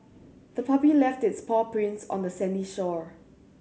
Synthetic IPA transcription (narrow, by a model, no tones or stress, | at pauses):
d̥əpʰapilɛftɪtspʰɔpɹɪ̃nsɔ̰̃ndəsɛ̃niʃɔɹ